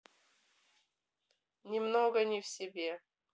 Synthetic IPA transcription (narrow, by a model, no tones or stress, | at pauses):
nʲɪmnoɡənʲɪfsʲɪbʲe